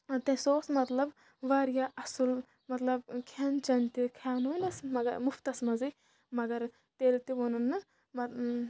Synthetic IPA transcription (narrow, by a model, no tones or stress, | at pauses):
t̪ɐ̃soːsmɐt̪lɐb | ʋaɾjaʔɐsul | mɐt̪lɐbkʰant͡ʃɐnt̪ikʰaːnonɐsmɐɡɐɾmʊft̪ɐsmɐzi | mɐɡɐɾ | t̪elt̪iʋonɐnːɨ | mɐ